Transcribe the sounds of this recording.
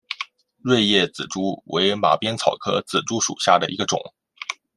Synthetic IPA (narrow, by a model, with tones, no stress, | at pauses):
ɻwe˥˧ɪjɛ˥˩t͡sɹ̩̰˨˩ʈ͡ʂu˥we˧˥ɪma̰˨˩pjɛ˥nt͡sʰɑ˨˩ʊkʰɤ˥t͡sɹ̩˨˩ʈ͡ʂu˥ʂṵ˨˩ɕja˥˩d̪ə˩ʔḭ˧˥ɡə˧ʈ͡ʂʊ̰˨˩˦ŋ